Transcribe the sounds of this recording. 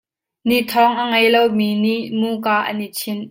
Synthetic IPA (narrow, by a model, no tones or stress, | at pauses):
niʔt̪ʰɔŋʔəŋɐjlowmiːniʔmuːkaːʔɐ̰nit͡sʰin